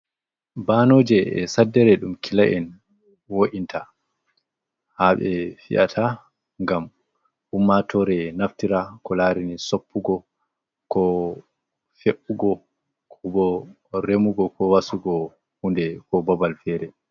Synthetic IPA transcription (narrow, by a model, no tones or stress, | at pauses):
banoːd͡ʒɛɛ̰sadːɛɾɛɗumkʰilaʔɛn | woʔintʰa | haɓɛfḭʔa̰tʰa | ŋɡam | humːatʰɔɾɛnaftiɾakɔlaɾinisopːuɡɔ | kɔ | feʔːuɡɔ | kʰɔbɔ | ɾemuɡɔkʰɔwasuɡɔ | hundɛkɔbabalfɛɾɛ